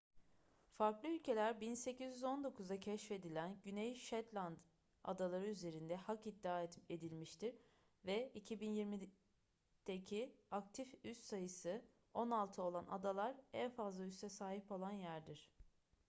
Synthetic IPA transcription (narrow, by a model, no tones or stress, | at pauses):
faɾklˠɯylʲcʰe̞lʲæɾbinse̞cizjyzo̞nd̪o̞kʰuzd̪acʰɛʃfe̞d̪ilʲænɟynejʃɛt̪lʲˠand̪ | a̰d̪alˠaɾɯyze̞ɾind̪ɛhakid̪ːiaːe̞d̪ilʲmiʃt̪iɾ | vɛicʰibinjiɾmi | d̪̥ecʰiak̚t̪ʰifyst̪sajɯsɯ | o̞nalˠt̪ʰɯo̞lˠana̰d̪alˠaɾænfazlˠayst̪ɛsaːhipo̞lˠanjæɾd̪iɾ̥